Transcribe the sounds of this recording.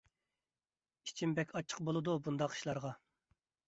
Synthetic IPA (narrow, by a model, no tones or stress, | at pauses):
it͡ʃʰimbɛkʲʰɑt͡ʃʰːə̥q̚bolˠɨd̪ubund̪ɑqi̥ʃlˠɑɾʁɑ